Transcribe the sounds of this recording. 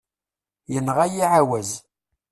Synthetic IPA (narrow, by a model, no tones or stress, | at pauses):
jənʁajiʕawæz